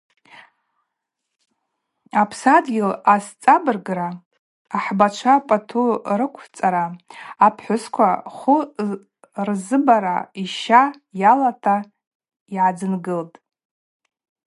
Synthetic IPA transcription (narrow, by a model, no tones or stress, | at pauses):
apʰsadɡʲɪlast͡sʼabɨrɡraː | ħbat͡ʃʷʰapʼatʰurɨkʷʰt͡sʼaɾaːpʰħʷʊskʷʰaχʷʊ | rzɨbaɾa̰iʃa | jalatʰa | iʕad͡zɨnɡɨltʼ